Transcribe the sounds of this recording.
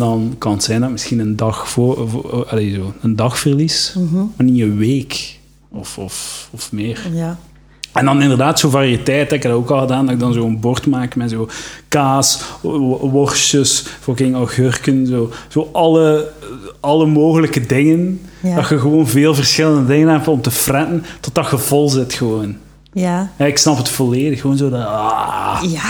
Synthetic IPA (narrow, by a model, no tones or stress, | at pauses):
dɑnkɑnətsɛjndɑtmɪsxinəndɑxoɑlezoːəndɑxfərlismːniəʋeːk | ɔfɔfɔfmɪːr | ɛndɑnɪndərdaːtsoːvariətɛːtəɪkdɔoːkɑlˠɣədaːndɑɪkɡ̚dɑnzoːənboːrtmaːkmɛtzoːkaːs | ʋɔrsəsfokɪŋɔhørkənzoːz̥oːʔɑlə | ɑlˠəmoːɣələkədɪŋəndɑxəɣəʋoːnveːlˠvərsxɪləndədɪŋənɦɛp̚tɔmtəfrɛtəntɔt̚dɑxəvɔlˠzɪtxəʋoːn | ɛɪksnɑpɦətfɔleːdəxəʋoːnzoːdɑa